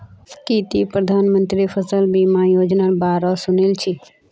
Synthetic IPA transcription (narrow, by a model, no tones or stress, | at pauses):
skiːt̪ipɾəd̪ʱaːnmə̃nt̪ɾifʰəsəlbʱimãjoːd͡ʒnalbaːɾɔsʊnilt͡ʃʰi